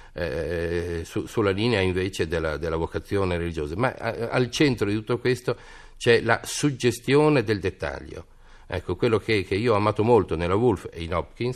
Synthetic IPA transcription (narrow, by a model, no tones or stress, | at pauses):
ɛ̰ | susulːaliːneaiɱveːt͡ʃed̪elːa̰d̪elːavokat̪sːjoːneɾelid͡ʒoːzama̰a̰lt͡ʃent̪ɾod̪it̪u̥t̪ːokwest̪o | t͡ʃɛla̰sud͡ʒːest̪joːned̪eld̪et̪ːa̰ʎːo̰ | ɛ̰kːokwelːokʰekeiːoɔamaːt̪omolt̪onelːavulfḛinɔpkins